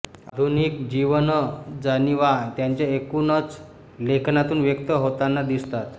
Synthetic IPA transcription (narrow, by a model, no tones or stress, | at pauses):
ad̪ʱunikd͡ʑiʋənəd͡zaniʋat̪jaɲt͡ɕjaekunət͡s | lekʰnat̪uːnʋjəkt̪əɦot̪anːad̪ist̪at̪